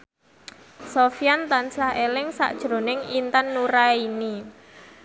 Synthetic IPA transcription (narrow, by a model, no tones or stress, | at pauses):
sofijant̪ansahelɪŋsa̰ʔd̥ʒ̥ɾo̤nɪŋint̪anːuɾaini